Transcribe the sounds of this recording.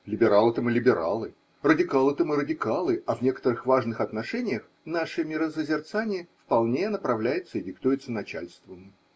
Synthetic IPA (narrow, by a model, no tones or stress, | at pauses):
lʲɪbʲɪɾalˠɨt̪əmɨlʲɪbʲɪɾa̰lˠɨ | rədʲɪkalˠɨt̪əmɨɾədʲɪkalˠɨɐvnʲe̞kə̥t̪əɾɨxvaʐnɨxɐt̪nɐʂɛnʲɪjəx | naʂɨmʲɪɾəsəzʲɪrt̪sanʲɪjəfpɐlˠnʲenəpɾɐvlʲæjɪt̪səɪdʲɪkt̪ujɪt̪sənɐt͡ɕæ̰lʲst̪vəmɨ